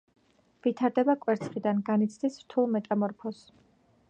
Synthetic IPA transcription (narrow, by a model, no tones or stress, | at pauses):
vit̪ʰaɾd̪ɛbakʼwɛɾt̪sʰχid̪anɡanit̪sʰd̪isɾt̪ʰulˠmɛt̪ʼamɔɾpʰɔs